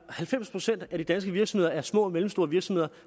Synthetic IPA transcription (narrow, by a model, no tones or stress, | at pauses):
hælfem̰spʰʁo̝sen̰d̥æd̥id̥ænsɡ̥əʋiɐɡsmhðˠɐæɐsmɔ̰̽ːmelm̩sd̥o̝ːɐʋiɐɡ̥sɒ̽mhe̝ð̰ˠɐ